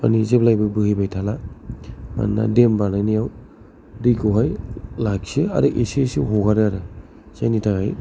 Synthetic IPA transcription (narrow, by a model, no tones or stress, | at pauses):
a̰nizeblajbɯbɯhɯjbajtʰala | ma̰nːa̰dembanajnijaw | dikʰɯwɦajlaksɯa̰ɾɯʔesesiɦɔɡaɾɯaɾɯ | z̥ajnitʰaɡaj